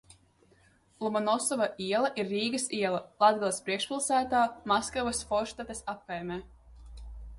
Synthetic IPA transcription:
lˠumɔnɔsɔvaʔiɛlˠɐʔiɾːiːɡɐsiɛlˠɐlˠad̪ɡalˠspɾiɛkʃpʲilˠsæːt̪aːmaskavɨsfɔɾʃt̪at̪esap̚kajmʲɛː

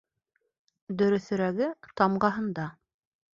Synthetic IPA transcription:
d̪ɵ̆ɾɵ̆θɵ̆ɾæɡɘt̪ɑmɢɑɦɤ̆nd̪ɑ

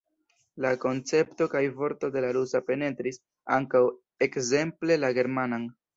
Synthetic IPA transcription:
lako̞nt͡se̞pto̞kajvo̞ɾto̞de̞laɾusape̞ne̞tɾis | aŋkaw | e̞kze̞mple̞laɡe̞ɾmanaŋ

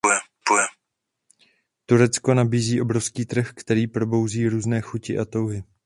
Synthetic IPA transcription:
jɛ | pujɛ | t̪uɾɛt͡sko̞nabiːziːʔo̞bɾofskiːt̪r̩xkt̪ɛɾiːpɾo̞bo̞wziːɾuːznɛːxucɪʔat̪o̞wɦɪ

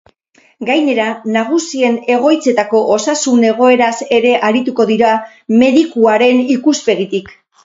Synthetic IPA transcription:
ɡajne̞ɾanaɣ̞usie̞ne̞ɣo̞jt͡se̞t̪ako̞ʔosasune̞ɣ̞o̞e̞ɾase̞ɾe̞ʔaɾit̪uko̞ðiɾa | me̞ðikuaɾe̞nikuspe̞ɣit̪ik

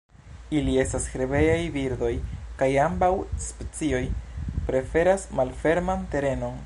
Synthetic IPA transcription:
ilie̞stasxeɾebe̞jajbiɾd̪o̞jkajambawspet͡sio̞jpɾe̞fe̞ɾasmalfe̞ɾmante̞ɾe̞no̞n

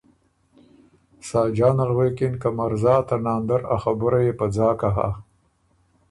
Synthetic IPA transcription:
sɑːd͡ʒɑːnalwekɪnkamaɾzɑːt̪anɑːnd̪aɾa̰xabʊɾajepad͡zɑːkaɦa̰

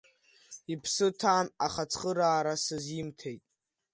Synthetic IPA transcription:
ipʰsɨtʰaːnaχat͡sʰχəɾaːɾasɨzimtʰejtʼ

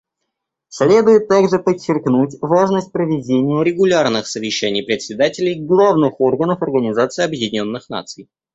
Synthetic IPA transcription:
sʲlʲe̞d̪ʊjɪt̪ːaɡʐɨpət͡ɕːɪrknutʲvaʐnəsʲt̚ʲpɾəvʲɪdʲenʲɪjʊɾʲɪɡʊlʲarnɨxsəvʲɪɕːɛnʲɪjpɾʲɪt̪sʲɪd̪atʲɪlʲɪjɡlˠavnɨxo̞rɡənəfɐrɡənʲɪzat̪sɨɪɐbjɪdʲɪnʲo̞nːɨxna̰t̪sɨj

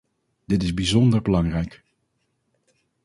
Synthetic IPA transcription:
d̥ɪtɪzbizɔndəɹbəlɑŋrɛjk

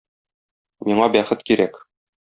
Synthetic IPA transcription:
miɴɑbæχɘt̪̚kiɾæk

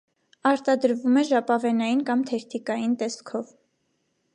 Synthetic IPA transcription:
ɑɾt̪ɑd̪əɾvumɛʒɑpɑvɛnɑjinkɑmt̪ʰɛɾt̪ʰikɑjint̪ɛskʰɔv

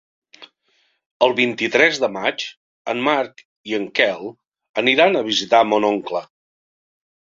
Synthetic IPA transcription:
əlˠβint̪it̪ɾɛzðəmat͡ʃ | ə̰nmaɾk | iəŋkɛlˠ | əniɾanəβ̞izit̪amonoŋklə

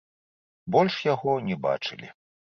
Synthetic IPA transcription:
bɔlʲʂjaɣɔnʲɛba̰t͡ʂɨ̰lʲḭ

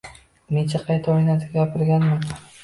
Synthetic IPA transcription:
net͡ʃʰaqʰɑjt̪ʰaojnat̪ɡʲɡʲapʰɪɾɡʲanma

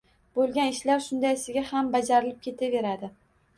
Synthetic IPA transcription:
bolˠɡʲanɪʃlaɾʃʊnd̪ajsɪɡʲahambad͡ʒaɾɪlɪp̚kʲe̞t̪ʰave̞ɾad̪ɪ

